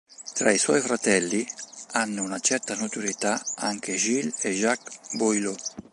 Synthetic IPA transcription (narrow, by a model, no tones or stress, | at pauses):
t̪ɾaiswɔjfɾat̪ɛlːianːuunat͡ʃɛrt̪anat̪uɾet̪aaŋk̟eʒileʒakbojlo